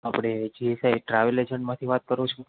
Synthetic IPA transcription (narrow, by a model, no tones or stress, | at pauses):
apɽ̃ed͡ʒiɦesaiʈɾaʋəled͡ʒəɳɖmãt̪ʰiʋat̪̚kəɾot͡ʃʰu